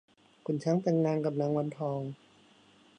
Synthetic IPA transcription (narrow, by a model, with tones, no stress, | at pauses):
kʰu˨˩˨nt͡ɕʰa˧˦˥ŋt̪ɛ˧˩ŋnaː˧ŋka˨˩p̚naː˧˥˦ŋwa˧˥nt̪ʰɔː˧ŋ